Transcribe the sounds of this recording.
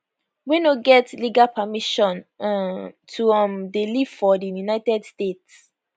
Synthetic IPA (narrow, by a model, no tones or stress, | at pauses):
winoɡɛtliɡalpʰamiʃɔ̃n | tʰuamdeliv̥fɔdijunaɪtɛdstets